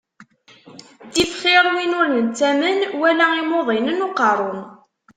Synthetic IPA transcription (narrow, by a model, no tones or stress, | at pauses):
d̪ifχɪɾˤwinʊɾənt͡sæmənwælæimoðˤinənoqɑɾˤon